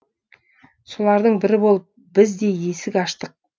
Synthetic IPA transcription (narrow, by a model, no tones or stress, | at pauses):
solˠɑɾd̪əɴbɪɾɪbo̞lˠəp̚ | bɪzd̪e̞je̞sɪkʲɑʃt̪əq̚